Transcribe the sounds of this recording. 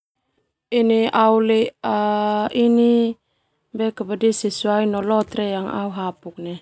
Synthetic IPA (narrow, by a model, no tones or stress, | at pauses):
iniauleaini | bɛkabadisisuajnɔlɔt̪ɾɛjaŋa̰uɦapuk̚nɛ